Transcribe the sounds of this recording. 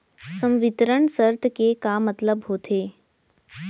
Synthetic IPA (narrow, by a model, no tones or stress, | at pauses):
sə̃mʋɪt̪ɾəɳ̃səɾt̪ʰkekamɐt̪ləbɦoːt̪ʰeː